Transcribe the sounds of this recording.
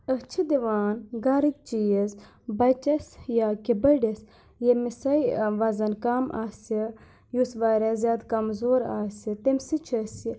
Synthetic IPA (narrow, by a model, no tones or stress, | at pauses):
ət͡ʃʰid̪iʋaːnɡaːɾik̚t͡ʃijɐz | bɐt͡ʃɐsjaːkibɐɖɐs | jemisɐjʋɐzɐnkaːmʔa̰ːsɐ | jusʋaːɾɐzʲjaːd̪kɐmzoːɾa̰ːsɐt̪emsit͡ʃʰɐsi